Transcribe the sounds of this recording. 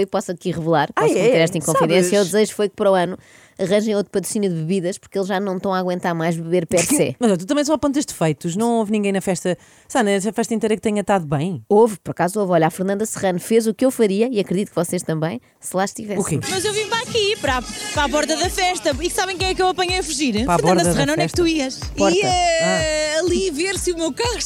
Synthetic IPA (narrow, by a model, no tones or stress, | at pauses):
ojpɔsɐkiʁɨvlˠaɾpfeɾɛʃt̪ɐẽkõfiðẽsjɐud̪zɐʒufojk̚pɐɾɔɐnu | ɐʁɐ̃ʒɐ̃j̃ot̪ɾupɐt̪ɾusinjuðβɨβiðɐʃpuɾkelˠʒːanɐ̃w̃t̪ɐ̃w̃aɣwẽnt̪aɾmajʒβɨβeɾpɛɾsɛmɐzɔt̪ut̪ɐmɐ̃j̃s̬ɔpõnt̪ɐʃd̪fɐjt̪uʃnɐ̃w̃ovnĩŋɡɐ̃j̃nɐfɛʃt̪ɐ | sanɐfɛʃt̪ɐĩnt̪ɐjɾɐk̚t̪ɐɲɐt̪aðuβɐ̃j̃ovpɔɾɐkazovɔʎafɨɾnɐ̃nd̪ɐsɨʁɐnfezukewfɐɾiɐiɐkɾɨðit̪u̥kvɔseʃt̪ɐ̃mbɐ̃j̃ | sɨlˠaʃt̪ivɛsukemɐzewvipɾakipɾapɾapɔɾt̪ɐðɐfɛʃt̪ɐiksaβɐ̃j̃k̬ɐ̃j̃ɛkewɐpɐɲɐjɐfuʒiɾpɾaɾnpɐɔɾt̪d̪ɐɐsɐʁɐnɐ̃nfɛʃtt̪uiɐʃpɔɾɾɐaɐlˠiveɾsumewkaʁuʃ